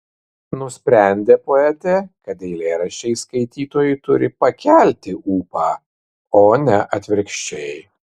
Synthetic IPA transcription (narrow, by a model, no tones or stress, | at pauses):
nʊsʲpʲɾʲæˑnʲd̪ʲeːpoɛt̪ʲekɐt̪ɛɪlʲeːɾɐʃʲɛɪskɐɪt̪ʲiːt̪oːjʊt̪ʊɾʲɪpɐkʲælʲt̪ʲɪʔuːpɑː | oːnʲɛʔɐt̪ʲʋʲɪɾʲkʃʲt͡ʃʲɛɪ